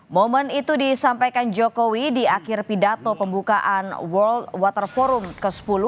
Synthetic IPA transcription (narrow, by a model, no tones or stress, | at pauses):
momənit̪udisampajkand͡ʒokowidiakɪrpidat̪opəmbukaʔanwərldwat̪ərfɔɾumkəsə̥pulʊh